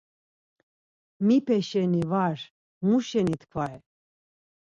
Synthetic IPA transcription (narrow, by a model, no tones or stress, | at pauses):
mipʰɛʃɛnivaɾ | muʃɛnit̪ʰkʰvaɛ